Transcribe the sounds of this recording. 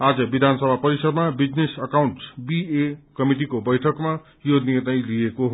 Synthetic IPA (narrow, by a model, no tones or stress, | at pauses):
ad͡zʌbid̪ʱansʌbʱapʌɾisʌd̪mabid͡znesʌkawɳʈsbiekʌmiʈikobʌjʈʰʌkma | jonirnʌjlijekoɦ